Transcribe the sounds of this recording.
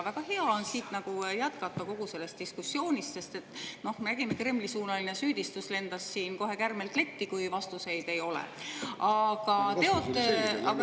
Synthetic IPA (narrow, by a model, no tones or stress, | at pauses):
væɡ̥ɑhe̞ɑo̞nsiːt̪nɑɡ̥ujæt̪kɑt̪ːˑɑko̞ɡ̥use̞lːe̞st̪̚iskusːjo̞ːnʲist̪se̞st̪e̞t̪ːˑno̞hmeɾæɡ̥ime̞kre̞mlisuːnɑlinesyːd̪̥ist̪usle̞nd̪ɑsːiːnko̞ɦe̞kærme̞lt̪le̞t̪ːikujvɑst̪use̞jd̪̥e̞jo̞lḛɑɡ̥ɑt̪e̞o̞t̪ːˑeɑɑ